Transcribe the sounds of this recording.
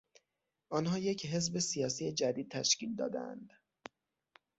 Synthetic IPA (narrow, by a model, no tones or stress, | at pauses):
ʔɒːnɦɒːje̞cʰɦe̞zbe̞sijɒːsijed͡ʒæd̪iːd̪̚t̪ʰæʃciːld̪ɒ̰ːd̪æ̰æ̰nd̪̥